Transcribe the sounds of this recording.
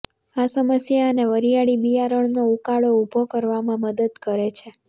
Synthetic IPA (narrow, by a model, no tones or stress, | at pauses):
asəməsjaəneʋəɾijaɽibijaɾəɳnoukaɭoubʱokəɾʋamãməd̪əd̪kəɾet͡ʃʰe